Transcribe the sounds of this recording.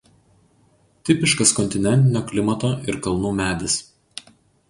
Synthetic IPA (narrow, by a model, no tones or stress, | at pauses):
t̪ʲɪpʲɪʃkɐskɔnʲt̪ʲɪnʲɛnʲt̪ʲɪnʲoːklʲɪmɐt̪oːʔɪɾkɐlˠnuːmʲæːd̪ʲɪs